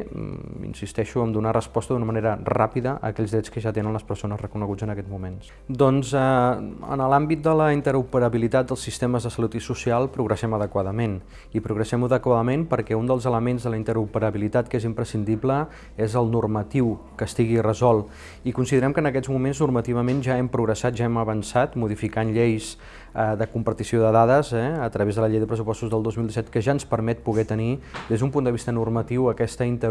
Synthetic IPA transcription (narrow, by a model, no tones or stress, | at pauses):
ḭnsist̪ɛʃuəmd̪unarəspɔst̪əðunəməneɾərapiðəʔə̰kɛʎzðɾɛt͡skəʒat̪enənləspəɾsonəzrəkunəɣud͡zənəkɛd͡zmumens | d̪ɔnzəə̰nəlambit̪̚d̪ələint̪əɾupəɾəβilit̪at̪̚d̪əlˠsist̪eməzðəsəlut̪isusialˠpɾuɣɾəsɛməðəkwaðəmen | ipɾuɣɾəsɛməðəkwaðəmempəɾkɛund̪əlˠzələmenzðələint̪əɾupəɾəβilit̪at̪kezimpɾəsind̪iplə | ezəlˠnurmət̪iwkəst̪iɣirəzɔlˠ | ikunsiðəɾɛmkənəkɛzmumenznurmət̪iβəmenʒaɛmpɾuɣɾəsat̪ʒaɛməβənsat̪muð̞ifikanʎejs | əðəkumpəɾt̪isioðəðaðəzɛət̪ɾəβezðələʎejðəpɾəs̬upɔst̪uzðəlˠozmilˠd̪isɛt̪kəʒaənspəɾmɛt̪̚puɣɛt̪ənid̪ezðumpund̪əβist̪ənurmət̪iwəkɛst̪əint̪ə